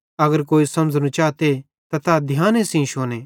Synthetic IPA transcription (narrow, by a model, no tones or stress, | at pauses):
ɐɡəɾkoːisɐ̃md͡ʒnũt͡ʃaːt̪e | t̪at̪ad̪ʱɪjãːnẽsĩĩʃoːneː